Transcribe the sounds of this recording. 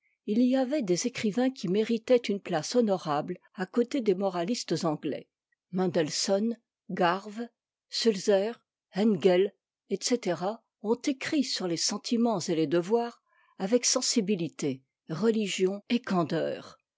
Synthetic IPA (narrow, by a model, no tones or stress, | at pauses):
iliavɛd̪ezekχivɛ̃kʲimeʁit̪ɛt̪ynplasɔnɔʁabl | akot̪ed̪emɔʁalist̪əzɑ̃ɡlɛ̰ | mɑ̃d̪ɛlsɔn | ɡaʁv | sylzɛʁ | ɛnɡɛl | ɛt̪set̪eʁa | ɔ̃t̪ekχisyʁlesɑ̃t̪ʰimɑ̃zeled̪əvwaːʁ | avɛksɑ̃sibilit̪e | ʁəliʒjɔ̃ekɑ̃d̪œːʁ